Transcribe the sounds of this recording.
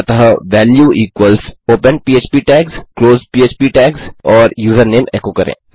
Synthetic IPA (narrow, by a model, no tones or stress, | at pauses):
t̪ɐɦɐʋɛːljuːʔiːkʋəlsoːpə̃npiːeːt͡ʃpiːʈɛːkskloːzpiːeːt͡ʃpiːʈɛːksɔːɾjuːzəɾneːmeːkoːkɐɾʔḛ̃ː